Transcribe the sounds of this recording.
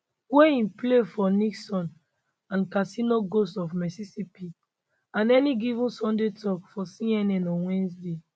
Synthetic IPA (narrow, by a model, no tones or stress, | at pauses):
wẽĩplefɔniksɔ̃n | ãnkasĩnoɡostɔfmɛsisipi | ãnɛniɡivũnsɔ̃ndetʰɔkfɔsĩɛnɛ̃nɔ̃wɛ̃nsde